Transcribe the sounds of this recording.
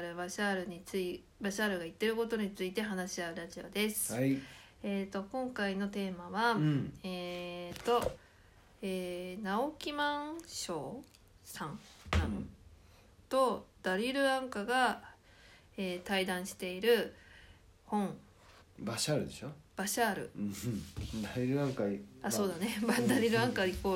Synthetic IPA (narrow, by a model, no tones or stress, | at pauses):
ɾɯ̟baɕaɾɯ̟ɲit͡sɨi | baɕaːɾɯ̟ɡait̪ːe̞ɾɯ̟ko̞t̪o̞ɲ̟it͡sɨit̪e̞ɦanaɕiaɯ̟ɾaʑio̞̰d̪e̞sɨ̥ | eːt̪o̞kõ̞ŋkaino̞t̪e̞ːmaβaeːt̪o̞ | eːnaokʲimãɕo̞ː | sãŋã | t̪o̞d̪̥aɾʲiɾɯ̟ãŋkaɡa | eːt̪aid̪ãɰ̃ɕi̥t̪e̞iɾɯ̟ | hõ̞ɴ | baɕaːɾɯ̟d̪e̞ɕob̥aɕaːɾɯ̟̰ | d̪aɾiɾɯ̟ãŋkaaso̞ːd̪anebad̪aɾʲiɾɯ̟ãŋkaipːo̞ː